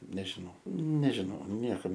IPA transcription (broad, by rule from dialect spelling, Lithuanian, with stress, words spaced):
nʲɛʒʲɪˈnɐʊ nʲɛʒʲɪˈnɐʊ ˈnʲiɛkɐm